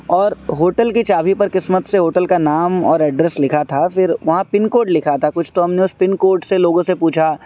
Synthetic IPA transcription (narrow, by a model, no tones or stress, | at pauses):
ɔːɾɦoːʈəlkit͡ʃaːbʱipɐɾkɪsmət̪seɦoːʈəlkanaːmɔːɾɛɖɾɛslɪkʰat̪ʰafɪɾʋɐɦãpɪnkoːɾɖlɪkʰat̪ʰakʊt͡ʃʰt̪oɦɐmneʊspɪnkoːɾɖseloːɡõsepuːt͡ʃʰa